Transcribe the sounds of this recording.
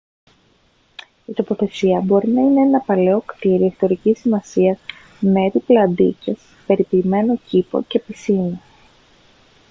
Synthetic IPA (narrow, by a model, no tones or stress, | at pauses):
it̪o̞po̞θe̞siɐbo̞ɾinɐine̞enɐpɐle̞o̞kt̪iɾiest̪o̞ɾicisimɐsiɐz | me̞ɾiplɐnd̪ḭce̞s | pe̞ɾipiːme̞no̞cipo̞̰ce̞pisino